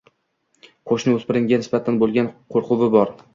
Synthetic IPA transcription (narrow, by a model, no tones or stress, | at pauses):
qʰoʃnɪɵzpbɪɾɪŋɡʲanɪsbat̪ʰanbolˠɡʲanqʰoɾqʊvɪbɒɾ